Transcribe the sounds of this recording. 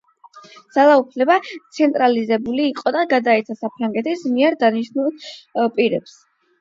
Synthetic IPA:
d̪z̥alˠaupʰlɛbat̪sʰɛnt̪ʼɾalizɛbuliːqʼɔd̪aɡad̪aɛt̪sʰasapʰɾaŋɡɛt̪ʰismiɛɾd̪aniʃnulˠpʼiɾɛps

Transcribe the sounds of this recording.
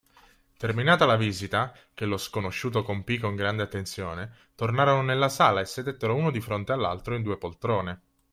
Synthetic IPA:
t̪erminaːt̪alaviːzit̪a | k̟eloskonoʃːuːt̪okompikoŋɡɾand̪eat̪ːent̪sjo̰ːne | t̪ornaːɾononelːasaːlaesːed̪et̪ːeɾouːnod̪ifɾont̪ealːa̰lt̪ɾoind̪uːepolt̪ɾoːne

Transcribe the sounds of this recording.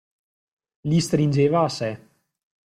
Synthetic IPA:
list̪ɾind͡ʒeːvaːsɛ

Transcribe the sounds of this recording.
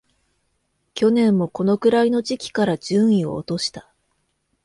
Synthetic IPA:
kʲo̞nẽ̞mːo̞ko̞no̞kɯ̟ɾaino̞d͡ʑikʲi̥kaɾad͡ʑɨ̃ɰ̃io̞̰ːt̪o̞ɕi̥t̪ḁ

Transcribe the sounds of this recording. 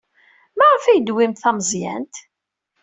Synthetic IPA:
mæʁəfæjəd̪wimt̪θæməzjæ̰nt̪

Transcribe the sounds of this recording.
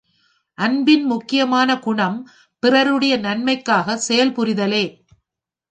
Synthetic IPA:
ʔɐnbɪnmʊkːɪjɐmaːnɐkʊɳɐm | pɪrɐɾɯɽɐjɐnɐnmɐɪkːaːɣɐsɛjɐlpʊɾɪðɐleː

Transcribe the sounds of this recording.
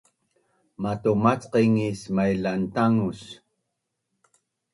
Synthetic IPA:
mat̪omat͡sqiŋismajlaʔnt̪aŋus

